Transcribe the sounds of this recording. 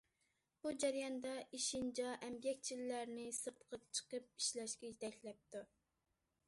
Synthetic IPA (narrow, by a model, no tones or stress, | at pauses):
b̥ud͡ʒɛɾjɑnd̪ɑʔiʃind͡ʒɑʔɛmbjɛk̚ʲt͡ʃʰilːæɾnɪsɨɾt̪ʰəqʰət͡ʃʰə̥qəp̚iʃlɛʃkʲɛjit̪ʰɛkʲlɛp̚t̪u